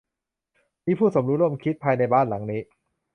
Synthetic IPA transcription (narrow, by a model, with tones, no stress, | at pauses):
miː˦˥pʰuː˥˩so˩˦mɾuː˦˥ɾu˥˩ə˨mkʰi˦˥t̪̚pʰːaː˧jna˧jbaː˥˩nla˩˦ŋniː˦˥